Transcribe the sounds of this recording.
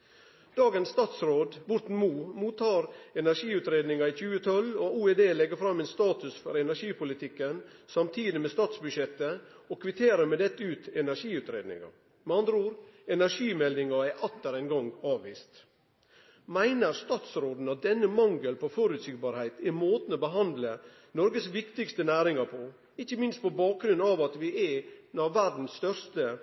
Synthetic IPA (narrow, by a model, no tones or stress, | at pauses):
d̪̥ɑːɡənsst̪ɑːt̪sɾoːd̪ʋʊɾt̪n̩muːmuːt̪ɑːɾɛnæʂiːʉt̪ɾeːd̪nɪŋɑiçʉːət̪ʰɔlɔuːɛd̪eːlɛɡəɾfɾɑmːɛɪnst̪ɑːt̪ʉsfɔɾɛnæʂiːpʊlɪt̪ʰɪkːənsɑmt̪ʰiːd̪ɪmɛst̪ɑːt̪sbʉʂɛt̪ːə | ɔkʰʋɪt̪ʰeːɾəɾmɛd̪ɛt̪ːəʉːt̪ɛnæɾʂiːʉːt̪ɾḛːd̪nɪ̰ŋɑ̰ | mɛɑnd̪ɾəuːɾɛnæɾʂiːmɛld̪ɪŋɑɛɾʔɑt̪ːəɾæɪnɡɔŋɡɑːʋʋḭːst̪ | mæɪnəɾst̪ɑːt̪sɾoːd̪n̩ɑt̪̚d̪ɛnːəmɑŋɡəlpʰɔfɔɾʉt̪siːɡbɑːɾhæɪt̪ɛɾmoːt̪n̩ɔbəɦɑnd̪lə | nɔɾɡəsʋɪkt̪ɪɡst̪ənæːɾɪŋɑɾpʰɔ | ɪçːəmɪnst̪̚pɔbɑːk̚ɡɾʉnːɑʋɑt̪ʋɪɛnɑʋːæɖn̩sst̪œɾst̪ə